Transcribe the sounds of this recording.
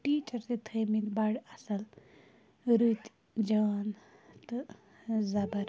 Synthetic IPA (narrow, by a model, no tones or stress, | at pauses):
ʈiːt͡ʃɐɾt̪it̪ʰeːmit̪baɽɐsɐl | ɾɨt̪ | d͡ʒɐnt̪ɨ | zɐbɐɾ